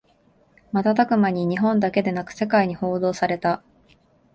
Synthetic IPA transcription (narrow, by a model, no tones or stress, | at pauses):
mat̪at̪akɯ̟maɲ̟iɲ̟iɦõ̞nd̪ake̞d̪e̞nakɯ̟̥se̞kaiɲ̟iho̞ːd̪o̞ːsaɾe̞t̪a